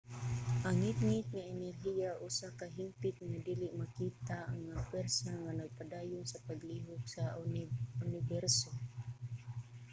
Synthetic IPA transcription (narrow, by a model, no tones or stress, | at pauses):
ʔaŋɪt̪̚ŋɪt̪̚ŋaɛnɛrɦijaʔʊsakaɦimpɪt̪̚ŋad̪iːlɪʔmakiːt̪aaŋːapwɛɾsaŋanɐɡ̚pad̪aːjʊnsapaɡliːɦʊɡsa | ʊnɪbɛɾso